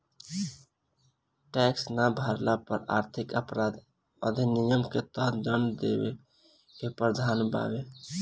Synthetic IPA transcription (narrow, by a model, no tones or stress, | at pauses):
ʈɛksnabʱaɾlapəɾa̰ɾt̪ʰikəpɾad̪ | əd̪ʱinijəmket̪əɦt̪d͡ʒənd̪ḛbḛ | kepɾəd̪ʱanba̰be